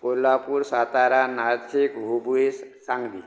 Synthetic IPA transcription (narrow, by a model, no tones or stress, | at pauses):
kolapuɾsat̪aɾanaɾt̪ʰikbʱubuesaŋd̪i